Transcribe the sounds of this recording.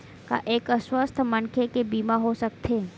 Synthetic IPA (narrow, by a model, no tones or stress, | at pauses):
ka̰ʔeːkəswəst̪ʰmənkʰekebiːmaɦosək̚t̪ʰe